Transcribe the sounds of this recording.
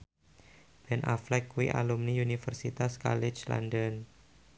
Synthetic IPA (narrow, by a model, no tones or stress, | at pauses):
b̥ɛnʔaflɛkːuwḭʔa̰lumniunifərsit̪aska̰lɪt͡ʃla̰ndən